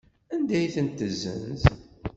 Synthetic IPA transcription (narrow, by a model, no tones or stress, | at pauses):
ænd̪æjθənt̪ːəzːə̰nz